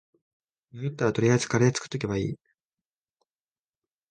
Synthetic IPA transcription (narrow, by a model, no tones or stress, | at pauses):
nojot̪ːaɾat̪o̞ɾʲiasɨ̥kaɾeat͡sɨ̥kɯ̟̥t̪o̞k̬ʲeβaḭː